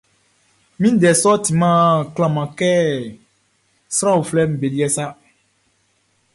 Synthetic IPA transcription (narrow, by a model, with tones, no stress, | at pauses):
mĩ˦dɛ˨sɔ˦ti˨mã˦klã˨mã˨kɛ˦ | sɾã˦wo˨flɛ˦m̩˨be˨li˦ɛ˦sa˦